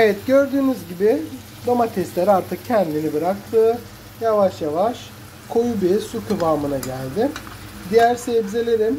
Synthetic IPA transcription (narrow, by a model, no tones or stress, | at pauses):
evɛt̪ɟøɾd̪yːmyzɟibɪ | d̪amat̪ʰɛst̪lʲæɾaɾt̪ʰɯk̚cʰɛnd̪inibɯɾak̚t̪ʰɯː | javaʃjavaʃ | kʰo̞jubisukʰɯbaːmɯnaɟælʲd̪ɪ | d̪ijæɾsebzelʲe̞ɾim